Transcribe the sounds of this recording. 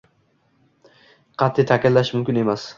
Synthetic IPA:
qʰɑt̪ʰːit̪ʰakʲʰalːaʃmʊmkʲɪne̞mas

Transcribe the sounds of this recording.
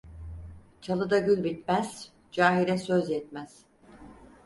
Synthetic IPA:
t͡ʃʰalˠɯd̪aɟylʲbit̪mæz̥ | d͡ʒaːɦiɾɛsøzjɛt̪mæz̥

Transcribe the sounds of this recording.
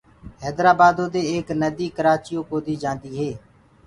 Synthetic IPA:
ɦɛːd̪ɾaːbaːd̪õːd̪eːeːknəd̪iːkəɾaːt͡ʃɪjõːkoːd̪iːd͡ʒãːnd̪iːɦeː

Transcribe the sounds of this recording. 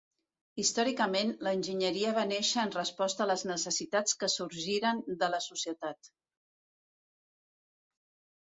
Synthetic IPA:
ist̪ɔɾikəmenləːnʲʒiɲəɾiəβ̞aneʃəːnrəspɔst̪ələznəsəsit̪at͡skəsuɾʒiɾənd̪ələsusiət̪at̪

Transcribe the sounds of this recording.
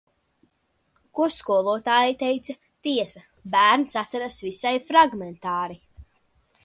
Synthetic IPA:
kuɔskuɔlˠuɔt̪aːjit̪ɛjt̪sa | t̪iɛsa | bæːɾnsat̪ɛɾasvisajfɾaɡment̪aːɾi

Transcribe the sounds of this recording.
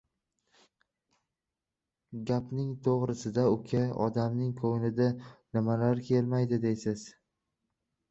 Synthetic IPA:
ɡʲapnɪŋt̪ʰoʁɾɪsɪd̪aʊkʲʰaɒ̰d̪amnɪŋkʰojnɪd̪anɪmalaɾkʲʰe̞lmajd̪ɪd̪e̞jsɪz̥

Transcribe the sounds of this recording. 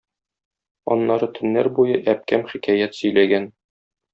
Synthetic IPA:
ɒ̰nːɑɾɤt̪ʰɵ̆nːæɾbujɤʔæp̚kæmχikæjæt̪sɵ̆jlæɡæn

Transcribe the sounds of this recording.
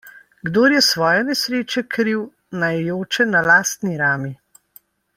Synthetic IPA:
ɡd̪oːɾjɛsʋɔːjɛnɛsɾeːt͡ʃɛkɾiw | najjoːt͡ʃɛnalaːst̪niɾaːmi

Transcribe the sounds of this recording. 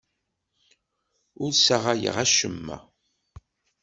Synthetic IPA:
ʊɾsaʁajə̰ʁæʃəmːæ̰

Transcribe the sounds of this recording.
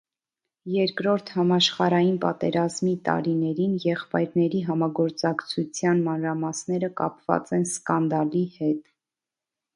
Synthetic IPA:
jɛɾkɾɔɾt̪ʰhɑmɑʃχɑɾɑjinpɑt̪ɛɾɑzmit̪ɑ̰ɾinɛɾinjɛχpɑjɾnɛɾiɦɑmɑɡɔɾt͡sɑkt͡sʰut͡sʰjɑnmɑnɾɑmɑsnɛɾəkɑ̰pvɑ̰t͡sɛnskɑnd̪ɑlihɛt̪

